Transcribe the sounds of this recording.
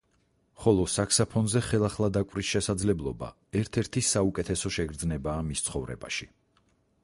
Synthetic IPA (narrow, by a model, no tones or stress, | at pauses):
χɔlˠɔsakʰsapʰɔnzɛχɛlˠaχlˠad̪akʼwɾisʃɛsad̪zlɛblˠɔba̰ | ɛɾt̪ʰɛɾt̪ʰisaukʼɛt̪ʰɛsɔʃɛɡɾd̪znɛbaːmist̪sʰχɔvɾɛ̰ba̰ʃi